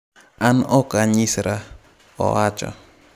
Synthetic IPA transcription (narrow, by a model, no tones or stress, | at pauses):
anɔkaɲisɾa | ɔ̰at͡ʃɔ̰